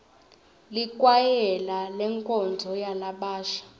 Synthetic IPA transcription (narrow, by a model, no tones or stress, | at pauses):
likʼwajɛlalɛŋkʼɔnd͡zʱɔjalaɓaːʃḁ